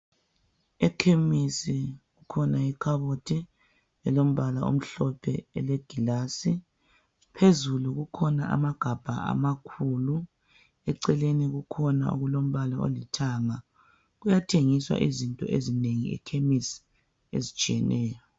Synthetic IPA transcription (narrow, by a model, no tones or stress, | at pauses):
ɛkʰemisiɣukʰɔnaikʰaβotʰi | ɛlom̩βalao̰m̩ɬɔpʰɛɛleɡ̥ʱilaːsi | pʰezuluɣukʰɔnaa̰maɡ̥ʱab̥ʱaa̰makʰulu | ɛǀɛleniɣukʰɔna̰ṵɣulom̩βalao̰litʰaŋa | ɣujatʰeŋiswa̰ʔizintʼɔ̰ʔezineŋiɛ̰kʰemisi̥ | ḛzit͡ʃʼijɛnɛːjɔ